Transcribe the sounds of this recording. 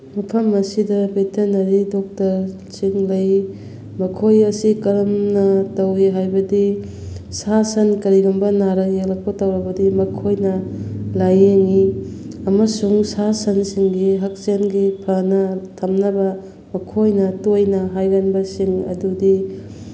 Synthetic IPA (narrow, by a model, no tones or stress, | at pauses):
mɐpʰɐmɐsidɐbetʰenɐɾidɔk̚tɐɾ | siŋlɐj | mɐkʰojɐsikɐɾɐmnɐtɐwiɦajbɐdi | sasɐnkɐɾiɡɐmbɐnaɾɐjelɐk̚pɐtɐwɾɐbɐdimɐkʰojnɐlajeŋiɐmɐsuŋsasɐnsiŋɡiɦɐk̚senɡipʰɐnɐtʰɐmnɐbɐ | mɐkʰojnɐtojnɐɦajɡɐnbɐsiŋɐ̰dudi